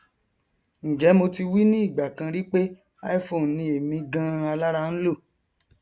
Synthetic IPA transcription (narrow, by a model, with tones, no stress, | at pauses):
n̩˨d͡ʒɛ˨˦mo˧ti˧wi˦nĩ˦i˦˨ɡ͡ba˨kã˧ɾi˦k͡pe˦ | a˦i˦fo˨nĩ˧e˨mĩ˧ɡã˦a˧la˦ɾa˧n̩˦lo˦˨